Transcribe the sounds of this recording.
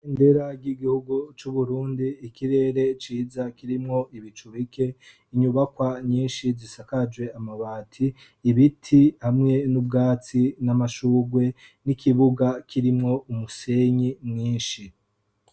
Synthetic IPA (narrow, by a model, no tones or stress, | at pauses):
indeɾaɡɟiɡihuɡut͡ʃuβuɾuːndiːkʰiɾe̞ɾe̞t͡ʃiːzakiɾimŋo̞ʔiβit͡ʃuβikʰe̞ | iɲuβakwaɲiːnʃizisakad͡ʒwe̞amaβaːtʰiː | βitʰihamŋe̞nub̚ɡaːt͡sinamaʃuːɡwe̞ | nikʰiβuɡakʰiɾimŋo̞umuse̞ɲimɲiːnʃi